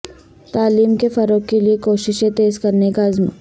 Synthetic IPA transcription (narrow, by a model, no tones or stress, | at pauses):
t̪aːliːmkefɐɾoːkːeliekoːʃɪʃẽt̪eːzkɐɾnekaɪzm